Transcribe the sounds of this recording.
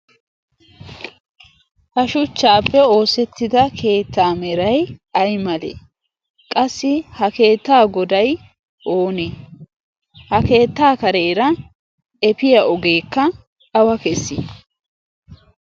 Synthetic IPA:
hɐʃʊt͡ʃːaːpːɛo̞ːsɛt̪ːɪd̪ɐkʰe̞ːt̪ːaːmɛɾɐjɐjmɐlḛ | kʼɐsːɪhɐke̞ːt̪ːaːɡɔd̪ɐj | ʔoːne | hɐke̞ːt̪ːaːkɐɾeːɾɐ | ɛpɪjɐʔɔɡe̞ːkːɐ | ɐwɐkɛsːɪ̰

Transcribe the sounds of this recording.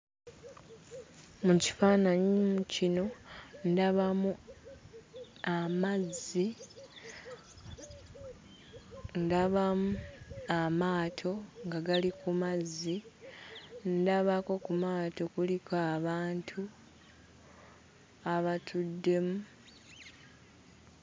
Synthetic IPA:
muci̥faːnaɲimucino̞ndaβamu | amazi | ndaβamuamaːtʰo̞ŋɡaɡalikumazːi | ndaβako̞kumaːto̞kulikʰaβaːntʰu | aβatʰudːe̞mu

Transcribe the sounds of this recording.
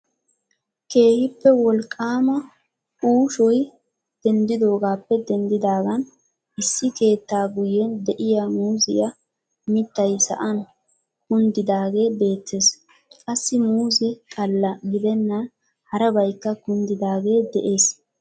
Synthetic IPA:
ke̞ːhɪpːɛwɔlkʼːaːmɐ | uːʃɔj | d̪̥ɛnd̪ɪd̪o̞ːɡaːpːɛd̪ɛnd̪ɪd̪aːɡɐn | ɪsːɪke̞ːt̪ːaːɡʊjːɛnd̪ɛʔɪjaːmuːzɪ̰ja | mɪt̪ːɐjsɐ̰ʔɐn | kʊnd̪ɪd̪aːɡe̞ːbe̞ːt̪ːe̞ːs | kʼɐsːɪmuːzɛkʼɐlːɐɡɪd̪ɛnːɐn | hɐɾɐbɐjkːɐkʊnd̪ɪd̪aːɡe̞ːd̪ɛʔe̞ːs

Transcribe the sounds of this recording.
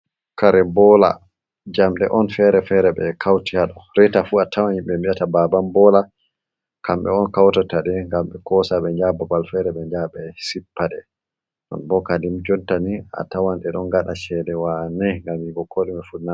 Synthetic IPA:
kaɾɛbɔla̰ | d͡ʒamɗɛ̰ʔɔnfɛɾɛfɛɾɛɓɛkʰawtiaɗɔɾɛtafuatawaɲiɓɛmiɗatababambɔla | kamɓɛ̰ɔnkawtataɗɛŋɡamɓɛkɔsaɓɛɲd͡ʒababalfɛɾɛɓɛɲd͡ʒabɛsipːaɗɛ | ɗɔ̰nbɔkadimd͡ʒɔntania̰tawanɗɛɗɔnɡaɗaʃɛdɛwanɛŋɡamiɡɔkʰɔɗɛmɛfuna

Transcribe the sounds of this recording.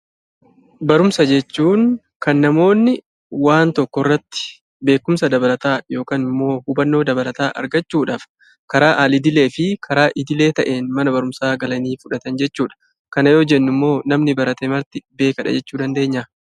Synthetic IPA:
bɐɾʊmsɐd͡ʒɛt͡ʃːuːŋ | kɐnːɐmo̞ːnːɪ | waːnt̪ɔkːɔrːɐt̪ːɪ̥ | be̞ːkːʊmsɐd̪ɐbɐlɐt̪aːjo̞ːkaːnɪmːo̞ːhʊbɐnːo̞ːd̪ɐbɐlɐt̪aːʔɐ̰ɾɡɐt͡ʃːuːᶑaːf | kɐɾaːʔaːlɪd̪ɪle̞ːfɪkʰɐɾaːʔɪd̪ɪle̞ːt̪ɐʔe̞ːnmɐnɐbɐɾʊmsaːɡɐlɐniːfʊᶑɐt̪ɐnd͡ʒɛt͡ʃːuːᶑɐ̥ | kɐnɐjo̞ːd͡ʒɛnːʊmːo̞ːnɐmnɪbɐɾɐt̪emɐɾt̪ɪbe̞ːkɐᶑɐ̰d͡ʒɛt͡ʃːuːd̪ɐnd̪e̞ːɲːɐ

